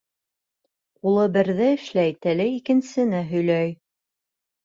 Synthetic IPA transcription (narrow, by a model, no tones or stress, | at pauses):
qulˠɤbɘ̆ɾðɘɘ̆ʃlæjt̪ælɘikɘ̆nsɘ̆næɦɵ̆jlæj